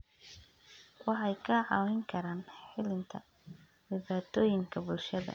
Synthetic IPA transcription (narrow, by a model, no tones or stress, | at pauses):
wɑħɑjkʰɐʕɑːwɪŋkʰɐɾaːnħɪlɪnt̪ʰɐ̰ | dɪβaːt̪ʰɔːjɪŋkʰɐbʊlʃɐðɐ̰